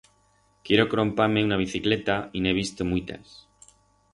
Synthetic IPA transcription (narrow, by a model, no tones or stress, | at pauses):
kje̞ɾokɾompaɾmeunaβ̞iθiklet̪aineβ̞ist̪omujt̪a̰s